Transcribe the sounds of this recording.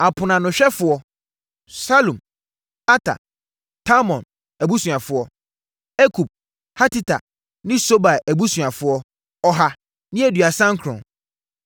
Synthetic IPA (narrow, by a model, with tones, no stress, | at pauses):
a˨pʰʊ˨nã˨nʊ̃˨ɕᶣɛ˦fʊ˨ɔ˦ | sa˦lũ˨m | a˦tʰa̰˨ | tʰa˦mɔ̃˨n | æ˨bu˦sũ˨ã˨fʊ˨˦ɔ˦ | ɛ˦kʰu˨b̚ | ha˦ti˦tʰa̰˨ | nɪ̃˦so˦ba˨æ˨bu˦sũ˨ã˨fʊ˨˦ɔ˦ | ɔ˨ɦa˨ | nɪ̃˦æ˨dɥa˨sã˦ŋkʰɾɔ̰̃˨n